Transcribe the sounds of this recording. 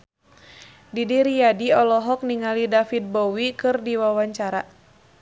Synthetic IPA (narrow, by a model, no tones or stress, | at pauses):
didiɾijadiɔlɔɦɔk̚niŋalidafit̪̚bɔwikɨrdiwawaɲt͡ʃaɾa